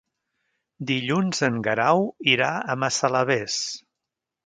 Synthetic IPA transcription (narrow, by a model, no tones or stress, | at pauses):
d̪iʎunzəŋɡəɾawiɾaəməsələβes